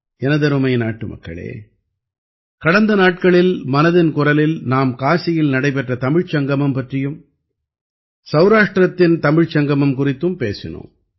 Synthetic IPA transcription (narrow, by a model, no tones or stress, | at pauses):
ɛnɐðɐɾɯmɐɪnaːʈːɯmɐ̰kːɐ̰ɭḛː | kɐɽɐnd̪ɐnaːʈ̚kɐɭɪlmɐnɐðɪnkʊrɐlɪlnaːmkaːsɪjɪlnɐɽɐɪpɛʈrɐt̪ɐmɪɻt͡ʃɐŋɡɐmɐmpɐʈrɪjɯm | sɐʊɾaːʂʈrɐt̪ːɪnt̪ɐmɪɻt͡ʃɐŋɡɐmɐmkʊrɪt̪ːɯmpeːsɪ̰no̰ːm